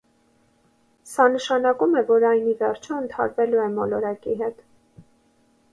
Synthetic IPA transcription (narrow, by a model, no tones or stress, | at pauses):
sɑnəʃɑnɑkumɛvɔɾɑjnivɛrt͡ʃʰuənt̪ʰɑ̰ɾvɛluɛmɔlɔɾɑkiɦɛt̪